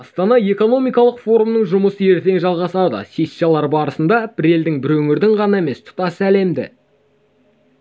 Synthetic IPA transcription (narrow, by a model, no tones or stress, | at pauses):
ɑst̪ɑnɑe̞ko̞no̞mijkɑlˠəqfo̞ɾumnəɴʒʊməsəe̞ɾt̪e̞ŋʒɑlˠʁɑsɑwd̪ə̰sʲest̪ːijalˠɑɾbɑɾəsənd̪ɑbɪɾe̞ld̪ɪŋbɪɾɵŋɪɾd̪ɪŋʁɑnɑe̞me̞st̪ʰʊ̥t̪ɑsəæle̞md̪ɪ̰